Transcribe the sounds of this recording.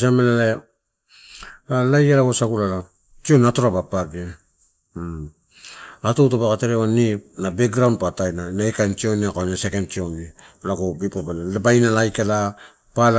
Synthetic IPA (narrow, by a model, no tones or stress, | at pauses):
samelala | alajalaɡosaɡulala | t͡ʃioniatoɾabapaɡie | atowtobakateɾeonipnabek̚ɡɾawnpatajnanaekajnt͡ʃioniakonasekendt͡ʃioni | laɡobipabalalabajnalajkala | pal